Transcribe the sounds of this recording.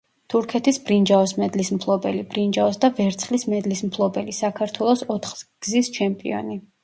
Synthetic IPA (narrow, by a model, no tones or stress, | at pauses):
t̪ʰuɾkʰɛt̪ʰisbɾind͡ʒaɔsmɛd̪lismpʰlˠɔbɛlibɾind͡ʒaɔsd̪avɛɾt̪sʰχlismɛd̪lismpʰlˠɔbɛlisakʰaɾt̪ʰwɛlˠɔsɔt̪ʰχɡ̥zist͡ʃʰɛmpʼḭɔ̰ni